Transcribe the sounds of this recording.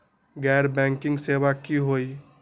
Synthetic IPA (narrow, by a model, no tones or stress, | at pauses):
ɡɛːɾbɛ̃ːŋkɪ̃ŋɡseːwakiɦoːi